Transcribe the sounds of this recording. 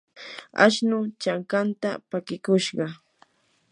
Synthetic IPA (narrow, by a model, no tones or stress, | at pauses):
a̰ʃnʊt͡ʃaŋkant̪apakɪkʊʃɢɑ